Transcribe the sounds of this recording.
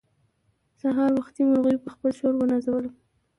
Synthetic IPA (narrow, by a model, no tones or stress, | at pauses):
saɦɑɾwaxt̪imʊɾɣəjpəxpəlʃoɾwənazawəl